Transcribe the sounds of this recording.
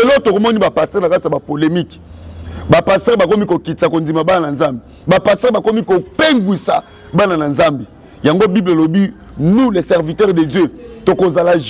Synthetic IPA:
elɔtokomɔnibapasɛnakatiabapolemik | bapastɛʁbakomikokitakondimabanananzambe | bapastɛbakomikopeŋɡwisa | banananzambe | jaŋɡobiblalobi | nulesɛʁvitɛʁdedjøtokozala

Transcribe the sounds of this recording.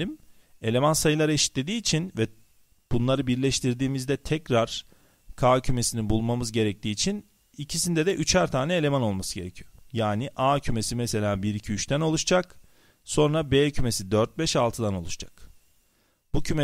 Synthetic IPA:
im | e̞lʲe̞mansajɯlˠaɾeʃi̥t̪lʲe̞d̪iːt͡ʃʰinvɛ | b̥unlˠaɾɯbiɾlʲɛʃt̪ʰiɾd̪iːmizd̪ɛt̪ʰɛcɾaɾ̥ | kʰaːcʰyme̞sininbulˠmamɯzɟe̞ɾɛc̚t̪ʰiːt͡ʃʰin | icʰisind̪ɛd̪ɛʔyt͡ʃʰæɾt̪ʰaːnɛelʲe̞mano̞lˠmasɯɟe̞ɾɛcʰijojaːniʔaːcʰyme̞simɛse̞lʲaːbiɾicʰiyt͡ʃt̪ʰæno̞lˠuʃd͡ʒak | so̞nɾabeːcʰyme̞sid̪øɾt̪̚bɛʃalˠt̪ʰɯd̪ano̞lˠuʃd͡ʒḁk | b̥ucʰyme

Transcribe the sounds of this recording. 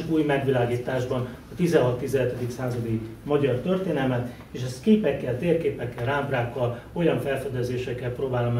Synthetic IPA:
uːjmɛɡʋilaːɡiːt̪aːʒbɒnɒt̪izɛnɦɒt̪ːizɛɦɛt̪ɛd̪iksaːzɒd̪imɒɟɒrt̪ørt̪eːnɛlmɛt̪ | eːʃɛst̪keːpɛkːɛlt̪eːrkeːpɛkːɛlraːmpraːkːɒl | o̞jɒɱfɛlfɛd̪ɛzeːʃɛkːɛlproːbaːlom

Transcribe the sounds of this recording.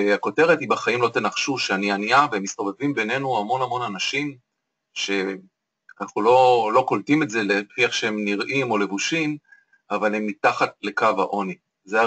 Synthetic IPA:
ako̞te̞ʁethibaχaimlo̞t̪e̞naχʃuʃeanianiaveemːist̪o̞ve̞vimbe̞ne̞nuamo̞nhamo̞nanaʃim | ʃe̞ | anaχnulo̞lo̞ko̞ltime̞tze̞lefiaχʃeemniʁʔimo̞le̞vuʃim | avale̞mːitaχatle̞kava̰ʔo̞ni | ze

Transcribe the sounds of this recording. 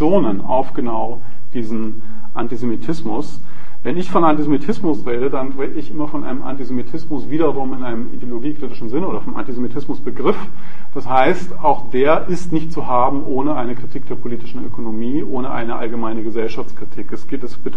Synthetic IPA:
t͡sjoːnəna̰ʊfɡ̥ənaʊ | d̥iːzn̩ | ʔantizemitʰɪsmʊs | vɛnɪçfɔnʔantizemitʰɪsmʊsʁeːdədanʁeːdəɪçʔɪmɐfɔnʔa̰ɪnəmʔa̰ntizemitʰɪsmʊsv̥iːdɐʁʊmɪnʔaɪnəmḭdjoloɡiːkʁ̥itɪʃn̩zɪnəʔoːdɐfɔnʔa̰ntizemitʰɪsmʊsb̥əɡʁɪf | d̥ashaɪstaʊxd̥eːɐʔɪstnɪçt̚t͡suhaːbm̩ʔoːnəʔaɪnəkʁ̥itʰiːk̚d̥eːɐpʰoliːtɪʃn̩ʔø̰kʰonomiːʔoːnəʔa̰ɪnəʔa̰lɡəmaɪnəɡəzɛlʃaft͡skʁ̥itʰiːkɛsɡ̥eːtɛsb̥ɪt

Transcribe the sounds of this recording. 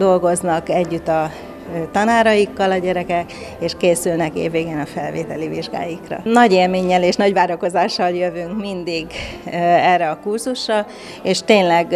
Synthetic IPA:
d̪o̞lɡo̞znɒkɛɟːyt̪ːɒ | t̪ɒnaːɾɒjikːɒlɒɟɛɾɛkɛkeːʃkeːsylnɛkḛːvːeːɡeːnɒfɛlvḛːt̪ɛliviʒɡa̰ːjikrɒ̰nɒɟeːlmeːɲːɛleːʃnɒɟʋaːɾo̞ko̞zaːʃːɒljø̞vyŋkmind̪iɡ | ɛrːɛɒkurzuʃrɒ | eːʃt̪eːnlɛɡ

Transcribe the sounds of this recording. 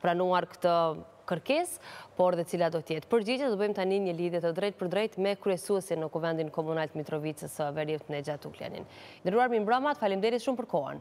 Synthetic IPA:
pɾanuaɾkə̥t̪ə | kəɾkɛspɔɾðɛtət͡silad̪ɔt̪jɛt̪pəɾd͡ʑid͡ʑad̪ɔbəjmt̪animɲəliðjɛt̪əd̪ɾɛjt̪̚pəɾd̪ɾɛjt̪mɛkɾyɛsuɛsinːəkuvɛnd̪inkɔmunalt̪əmit̪ɾɔvit͡səsəvɛɾiwt̪nɛd͡ʑat̪uklɛ̰nḭn | nd̪əɾuaɾmimbɾamat̪əfalimd̪ɛɾit̪ʃumpəɾkɔɦa̰n

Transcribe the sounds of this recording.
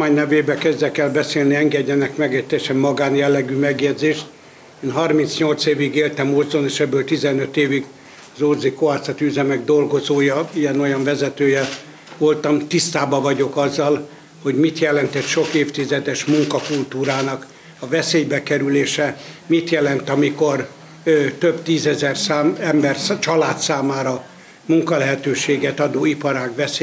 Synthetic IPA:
maːɲnɛveːbɛkɛzd̪ɛkɛlbɛseːlniɛŋɡɛɟːɛnɛkmɛɡɛc̚t̪ɛjɛʃɛmːɒɡaːnjɛlːɛɡymɛɡjɛd̪zeːʃt̪ | eːnɦɒrmint̪sɲo̞lt̪seːviɡeːlt̪ɛmorzoneːʃɛbːøːlt̪izɛnøt̪eːviɡ | ɒzorzikoaːsɒt̪iyzɛmɛɡ̚d̪o̞lɡo̞zoːjɒijɛno̞jɒɱvɛzɛt̪øːjɛ | ʋolt̪ɒmt̪ist̪aːbɒvɒɟo̞kɒzːɒl | ho̞ɟmit̪jɛlɛnt̪ɛt̪ʃo̞keːft̪izɛd̪ɛʃmuŋkɒkult̪uːɾaːnɒk | ɒvɛseːjbɛkɛɾyleːʃɛmit̪jɛlɛnt̪ɒmiko̞r | t̪øbt̪iːzɛzɛrsaːmɛmbɛrst͡ʃɒlaːt̪saːmaːɾɒ | muŋkɒlɛɦɛt̪øːʃeːɡɛt̪ɒd̪oːipɒɾaːkʋɛs

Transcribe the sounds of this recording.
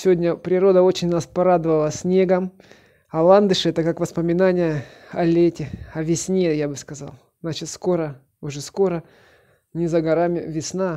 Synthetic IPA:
sʲɪvʲodʲnʲəpɾʲɪɾo̞d̪əo̞t͡ɕɪnʲnɐspɐɾad̪ɨvəlˠəsʲnʲe̞ɡəm | ɐlˠand̪ɨʂɨɛt̪əkakvəspəmʲɪnanʲɪjə | ɐlʲetʲɪɐvʲɪsʲnʲejabɨskɐza̰lˠznat͡ɕɪt̪sko̞ɾə | ʊʐɛsko̞ɾə | nʲɪzəɡɐɾamʲɪ̰vʲɪsna

